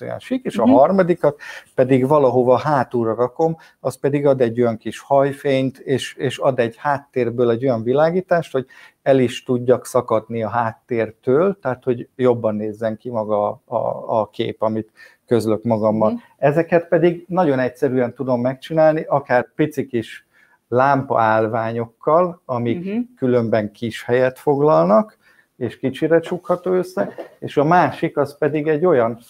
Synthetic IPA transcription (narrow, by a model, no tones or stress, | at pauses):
o̰nʃikeːʃɒɦɒrmɒd̪ikɒt̪pɛd̪iɡvɒlɒɦo̞vɒɦaːt̪uːɾɒɾɒko̞m | ɒspɛd̪iɡɒd̪ɛɟːo̞jɒŋkiʃhɒjfeːɲt̪eːʃeːʃɒd̪ɛɟhaːt̪ːeːrbøːlɛɟːo̞jɒɱvilaːɡiːt̪aːʃt̪ho̞ɟ | ɛliʃt̪uɟːɒksɒkɒd̪niɒɦaːt̪ːeːrt̪øːlt̪ɛːt̪ho̞ɟjo̞bːɒnːeːzːɛŋkimɒɡɒ̰ː | kḛːpɒmit̪ | kø̞zlø̞kmɒɡɒmːɒn | ɛzɛkɛt̪pɛd̪iɡnɒɟo̞nɛcsɛɾyɛnt̪ud̪o̞mːɛkt͡ʃinaːlniʔɒkaːrpit̪sikiʃ | laːmpɒ̰aːlvaːɲo̞kːɒlɒmikːylømbɛŋkiʃhɛjɛt̪fo̞ɡlɒlnɒk | eːʃkit͡ʃiɾɛt͡ʃukhɒt̪oːøsːɛeːʃɒmaːʃikɒspɛd̪iɡɛɟːo̞jɒn